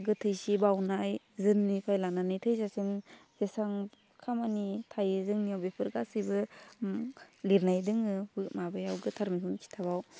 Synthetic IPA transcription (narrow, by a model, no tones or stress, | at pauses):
ɡɯtʰɯjsibawnaj | zɯnːipʰajlananɯjtʰɯjsasimz̥esaŋ | kʰamanitʰajɯzɯŋniawbepʰɯɾɡasɯbɯ | liɾnajdɯŋɯbɯmabɯjawɡɯtʰaɾmisunkʰi̥tʰabaw